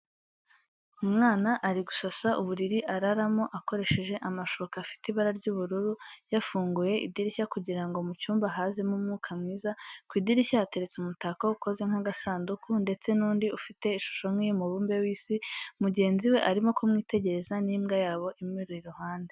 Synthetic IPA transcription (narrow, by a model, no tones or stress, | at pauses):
umŋaːnaʔaɾiɡusasaʔuβuɾiɾiʔaɾaɾamo̞ʔako̞ɾe̞ʃe̞ʒe̞ʔamaʃoβkafi̥tiβaɾaɾɟuːβuɾuɾujafuːŋɡuje̞ʔḭdiɾiçakuɟiɾaŋɡo̞mucuːmbaɦaːze̞mumŋuːkʰamŋiːzakwiːdiɾiçaːte̞ɾet͡seumutakouko̞ze̞ŋ̥haɡasaːndukʰunde̞t͡se̞nuːndiufite̞iʃu̥ʃo̞nŋimuβuːmbe̞wiːsimuɟe̞ːnziwe̞ʔaɾimo̞komŋiːte̞ɟe̞ɾe̞zaniːmɡajaːβo̞ʔimiɾuiɾuhaːnde̞